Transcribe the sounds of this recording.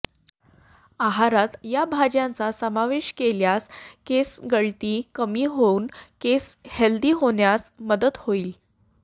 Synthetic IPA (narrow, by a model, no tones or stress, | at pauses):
aɦaɾat̪jabʱad͡ʑjãnt͡sasəmaʋeɕkeljaskesɡəɭt̪iːkəmiːɦouːnkesheld̪iːɦoɳjasməd̪əd̪hoiːl